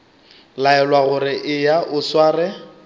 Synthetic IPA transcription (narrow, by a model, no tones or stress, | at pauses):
laɛlwaɣʊɾɪʔɪjaʔʊswaːrɛ